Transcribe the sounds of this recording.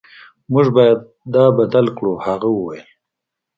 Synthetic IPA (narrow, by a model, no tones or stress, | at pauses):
mʊʒbɑjad̪̚ | d̪ɑbad̪alkɽohaɣawəwajəl